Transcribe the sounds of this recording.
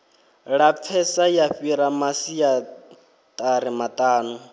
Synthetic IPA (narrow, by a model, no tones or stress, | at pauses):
ɺap̪fʰɛsajaɸiɾamasija | t̪ʼaɾimat̪ʼaːnu